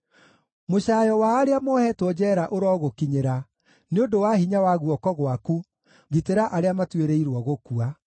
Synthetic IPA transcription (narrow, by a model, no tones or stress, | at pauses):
moɕaːjɔwaːɾeamɔhɛtwɔd͡ʑɛːɾaʔoɾɔɣokiɲeɾa | neodowahiɲawaɣuɔkɔɣwaku | ɣiteɾaʔaɾeamatweɾeiɾwɔɣokua